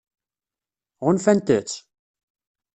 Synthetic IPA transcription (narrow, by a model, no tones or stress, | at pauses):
ʁʊnfænt̪ət͡sː